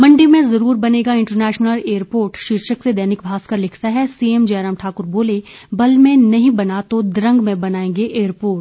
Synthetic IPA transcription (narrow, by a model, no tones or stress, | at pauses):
mɐ̃ɳɖimẽzɐɾuːɾbɐneːɡaɪ̃ɳʈəɾnɛːʃnəleːəɾpoːɾʈʃɪɾʃəksed̪ɐɦnɪkbʱaːskɐɾlɪkʰt̪aɦɛsiemd͡ʒɐːɾəmʈʰaːkʊɾboːlebɐlmẽnɐɦĩbɐnat̪od̪ɾə̃ŋɡmẽbɐnaːẽːŋɡeʔeːəɾpoːɾʈ